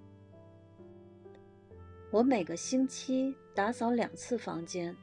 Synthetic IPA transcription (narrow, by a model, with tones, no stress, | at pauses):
wɔ˧˥me˨˩ɪɡə˦ɕi˥nt͡ɕʰi˥t̪a˧˥t͡sɑ˧˥ʊljɑ̰˨˩ŋt͡sʰɹ̩˥˩fɑ̰˧˥ŋt͡ɕjɛ˥n